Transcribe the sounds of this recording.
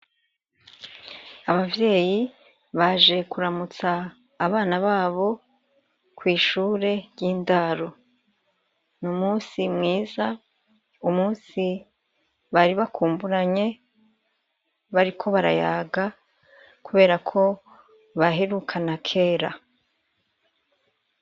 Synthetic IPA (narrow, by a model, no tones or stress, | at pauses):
aβavje̞ːji | βaʒe̞kuɾamut͡saː | βaːnaβaːβo̞ | kwiːʃuːɾe̞ɾjiːndaɾo̞ | numuːsimŋiːza | umuːsi | βaɾiβakʰuːmbuɾaɲe̞ | βaɾikʰo̞βaɾa̰jaːɡa | kuβe̞ːɾakʰo̞ | βaɦeɾukʰanakʰe̞ːɾa